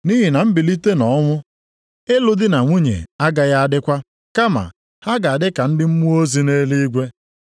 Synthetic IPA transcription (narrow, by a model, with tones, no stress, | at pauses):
ni˦ɦi˨na˨m̩˦bɪ˨li˦te˦nɔ˦ŋʷʊ˦ | e˦lʊ˨dɪ˦na˨ŋʷu˦ɲḛ˨a˦ɡa˨ja˦a˦dɪ˦kʷa˦ | ka˦ma̰˨ | ha˦ɡa˨a˨dɪ˦ka˨n̩˦dɪ˦m̩˦mu˦o˦zi˨ne˦li˦ɡʷe˦